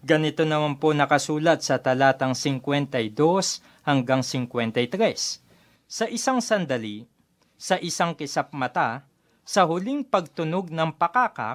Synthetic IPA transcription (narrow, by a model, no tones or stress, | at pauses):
ɡɐnɪt̪o̞nɐmanponɐkɐsuːlɐt̪̚sɐt̪ɐlaːt̪ɐŋsɪŋkwɛnt̪ɐjd̪o̞s | hɐŋɡaŋsɪŋkwɛnt̪ɐjt̪ɾɛsː | ɐʔɪsaŋsɐnd̪ɐli | sɐʔɪsaŋkɪsap̚mɐt̪a | sɐhʊliŋpɐɡ̚t̪ʊnoɡ̚nɐŋpɐkaːkɐ̰